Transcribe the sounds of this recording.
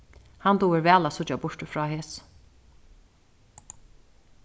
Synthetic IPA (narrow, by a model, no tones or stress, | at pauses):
hant̪uːɪɾvɛːlasʊt͡ʃ̪ːabʊɹ̥t̪əfɾɑːɦeːs